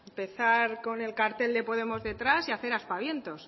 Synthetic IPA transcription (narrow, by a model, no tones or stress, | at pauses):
mpe̞θaɾko̞ne̞lkaɾt̪e̞ld̪e̞po̞ðe̞mo̞zðe̞t̪ɾasiaθe̞ɾaspaβje̞nt̪o̞s